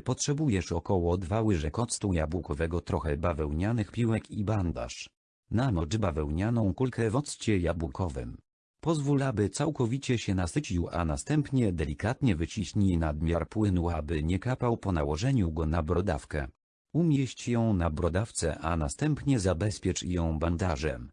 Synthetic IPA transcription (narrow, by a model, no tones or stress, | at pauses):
pɔtʂɛbujɛʂɔkɔwɔd̪vawɘʐɛkɔt̪st̪ujabwukɔvɛɡɔt̪ɾɔxɛbavɛwɲanɘxpʲiwɛkiband̪a̰ʂ | namɔʐɘbavɛwɲanɔ̃w̃kulkɛvɔt̪st͡ɕɛjabukʰɔvɘ̰m | pɔzvulabɘt̪sawkɔvʲit͡ɕɛɕɛnasɘt͡ɕiwa̰nast̪ɛmpɲɛd̪ɛlʲikat̪ɲɛvɘt͡ɕiɕɲinad̪mʲjaɾpwɘnuabɘɲɛkapawpɔnawɔʐɛɲuɡɔnabɾɔd̪afkɛ̰ | umʲjɛɕt͡ɕjɔ̃w̃nabɾɔd̪aft̪sɛ̰ʔanast̪ɛmpɲɛzabɛspʲjɛt͡ʂjɔ̃w̃band̪aʐɛm